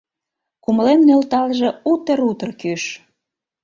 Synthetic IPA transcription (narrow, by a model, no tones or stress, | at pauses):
kuməlemnølt̪ɑlʒĕut̪eɾut̪ərkyʃ